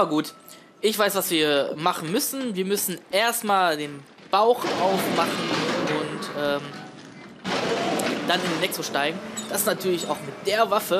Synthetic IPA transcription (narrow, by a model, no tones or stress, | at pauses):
abɐɡuːt | ʔɪçv̥aɪsv̥asv̥iːɐmaχn̩mʏsn̩viːɐmʏsn̩ʔeːɐstmaːldeːn | b̥aʊxʔaʊfmaχn̩ʊntʔɛːm | d̥anɪndinɛksoʃtaɪɡŋ̩d̥asnatʰyːɐlɪçaʊxmɪt̚d̥eːɐvafə